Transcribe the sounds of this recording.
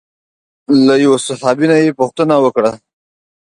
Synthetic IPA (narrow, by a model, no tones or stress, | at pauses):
lajawasahɑbinajepuxt̪ənawəkɽa